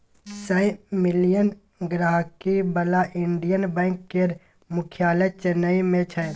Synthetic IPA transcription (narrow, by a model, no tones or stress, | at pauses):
sə̃mɪlijən | ɡɾaːɦkibəlaʔɪɳɖijənbɛ̃ːŋkːeɾ | mʊkʰjaːləjt͡ʃənəimẽt͡ʃʰə